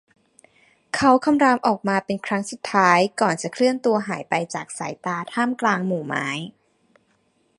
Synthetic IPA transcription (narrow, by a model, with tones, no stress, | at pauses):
kʰa˦˥wkʰa˧mɾaː˧mʔɔː˨˩k̚maː˧pe˧nkʰɾa˦˥ŋsu˨˩t̪ʰːaː˦˥jkɔː˨˩nt͡ɕa˨˩kʰɾɯ˥˩ənt̪u˧ɐɦaː˩˦jpa˧jt͡ɕaː˨˩k̚sa̰ː˩˦jt̪aː˧t̪ʰaː˥˩mklaː˧ŋmuː˨˩ma̰ː˦˥j